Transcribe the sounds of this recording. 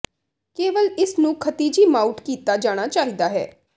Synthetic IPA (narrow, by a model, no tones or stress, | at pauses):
keːʋəlɪsnũːkʰət̪iːd͡ʒiːmaːuʈkiːt̪aːd͡ʒaːɽ̃aːt͡ʃaːɦiːd̪aːɦɛ̰ː